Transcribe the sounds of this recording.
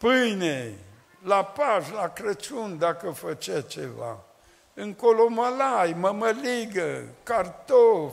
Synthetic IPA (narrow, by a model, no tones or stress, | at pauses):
pɨjne | lapaʃlakɾət͡ʃund̪akəfət͡ʃat͡ʃḛva̰ | ɨŋkoloməlajməməliɡəkart̪of